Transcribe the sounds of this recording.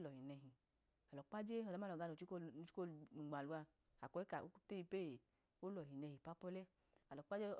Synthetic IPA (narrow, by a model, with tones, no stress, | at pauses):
lɔ˨i˨nɛ˧ɦi˨ | a˨lɔ˨k͡pa˦d͡ʒe˦ɔ˨da˦˨ɔ˨ɡa˧no˨t͡ʃi˦ki˦o˦u˨ɡ͡ba˨lu˧˦a˧ | a˨kɔ˨˦i˦ka˨o˦te˦i˧pe˦˨ | o˦lɔ˨hi˨nɛ˧hi˨pa˦pɔ˦lɛ˦ | a˨lɔ˨k͡pa˦d͡ʒe˦